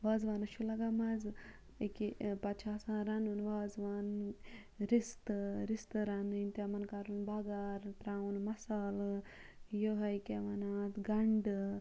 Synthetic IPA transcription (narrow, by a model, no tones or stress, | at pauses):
ʋaːd͡zʋanɐʃulaɡamad͡z | ekipɐt͡ʃʰaːsãɾanunʋaːd͡zʋan | ɾist̪ɾist̪ɨɾanint̪amɐnkaɾunbaɡaɾt̪ɾaunmɐsaːl | joɦɐjkeʋanat̪ɡɐɳɖ